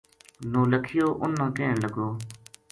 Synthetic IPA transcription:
nõːləkʰɪjoːʔʊnːə̃ːkeːɳləɡoː

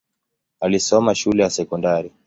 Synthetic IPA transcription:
alisɔmaʃulɛjasɛkɔndaɾi

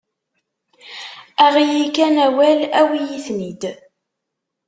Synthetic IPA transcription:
æʁijikænæwælæwijiθnid̪

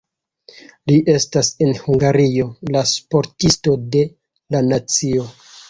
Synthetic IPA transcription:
liʔe̞stase̞nhuŋɡaɾio̞laspo̞ɾtisto̞de̞ | lanat͡sio̞

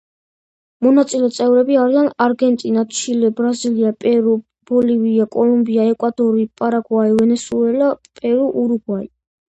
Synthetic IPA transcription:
mɔnat̪sʼilɛt̪sʼɛvɾɛbiaɾianaɾɡɛnt̪ʼinat̪t͡ʃʰilɛbɾaziliapʼɛɾu | b̥ɔliviakʼɔlumbiaɛkʼwad̪ɔɾipʼaɾaɡwaivɛnɛsuɛlapʼɛɾuʔuɾuɡwai

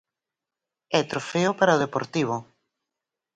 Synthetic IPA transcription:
ɛt̪ɾofeʊpaɾaoð̞epoɾt̪iβ̞ʊ

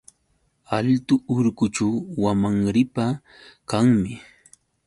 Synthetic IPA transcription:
alt̪ʊʊɾkʊt͡ʃawwamaŋɾɪpa | kaŋmɪ

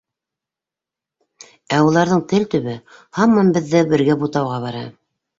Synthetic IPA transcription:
æulˠɑɾðɤɴt̪ɘlt̪ɵ̆βɘhɑmːɑmbɘ̆ðːɘbɘ̆ɾɡæbut̪ɑwʁɑβɑɾɑ̰

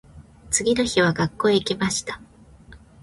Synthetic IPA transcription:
t͡sɨɡʲino̞çiβ̞aɡakːo̞ːikʲimaɕi̥t̪ḁ

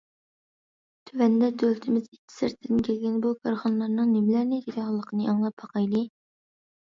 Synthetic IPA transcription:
t̪ʰywɛnd̪ɛd̪ølt̪ʰɪmɪzitʲʰːi̥sɪɾt̪ʰɪd̪ɪnkʲʰælɡʲɛnbukʰɑɾχɑnlˠɑɾnɨŋnɪmlæɾnɪt̪id̪ʲɑhɑlˠːəqʰənɨʔɑŋlˠɑpʰːɑqɑjlɨ

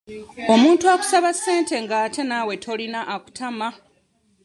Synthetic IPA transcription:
o̞muːntuaku̥saβasːe̞ːnte̞ŋɡaːtʰe̞nawe̞tʰo̞linaʔaku̥tʰama

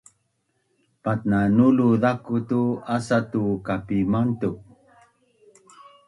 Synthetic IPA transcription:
patnanuluðakutuasatukapimantu

